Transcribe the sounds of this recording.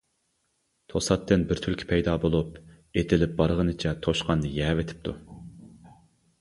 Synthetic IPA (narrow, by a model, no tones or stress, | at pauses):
t̪ʰosɑt̪ːɨnbɪɾt̪ʰylkʲʰɪ̥pʰɛjd̪ɑːbolˠup | et̪ʰɪlɪp̚bɑɾʁənɨt͡ʃʰɛt̪ʰoʃqɑnːɨjɛːvet̪ʰɪ̥p̚t̪ʰu